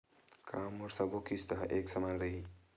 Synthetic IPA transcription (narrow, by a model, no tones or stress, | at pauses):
kʰaːmoɾsɐbokist̪ɐɦɐʔeːksɐmaːlɾɐi